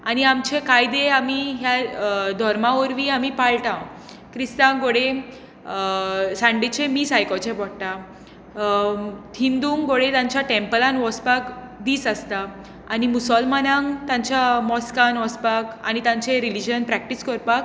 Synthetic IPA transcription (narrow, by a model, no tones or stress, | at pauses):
añiamt͡ɕẽkajd̪eamiɦjad̪ʱɔɾmaɔɾʋiamipaɭʈã | kɾist̪ãŋɡoɽe | sãɳɖit͡ɕẽmiːsajkɔt͡ɕẽbʱɔɽʈ̪ã | ɦind̪uːŋɡɡoɽet̪jãɲt͡ɕaʈẽmpəlanʋɔspakd̪iːsast̪aː | nimusəlmanãŋt̪ãɲt͡ɕamɔskanʋɔspaka̰nit̪ãɲt͡ɕeɾilid͡ʑənpɾɛk̚ʈiskəɾpak̚